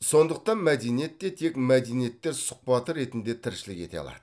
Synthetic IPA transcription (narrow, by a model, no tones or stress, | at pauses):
so̞nd̪əq̚t̪ɑnmæd̪e̞nije̞t̪ːet̪ʰe̞kmæd̪enije̞t̪ːeɾsʊ̥q̚pɑt̪əɾe̞t̪ɪnd̪e̞t̪ʰɪɾʃɪlɪkʲe̞t̪e̞̰ɑ̰lˠɑ̰d̪ə